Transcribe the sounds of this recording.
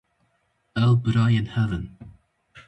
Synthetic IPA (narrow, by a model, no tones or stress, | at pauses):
ɛlˠbɾajɪnhɛvən